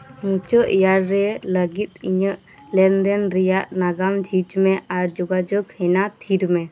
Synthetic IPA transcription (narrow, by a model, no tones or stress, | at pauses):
mũt͡ʃəʔjaɾːɛləɡit̪̚iɲəʔ | lɛnd̪ɛnɾɛjaʔnaɡamd͡ʒʱit͡ʃmɛʔaɾd͡ʒɔɡad͡ʒəkhɛnat̪ʰiɾmɛ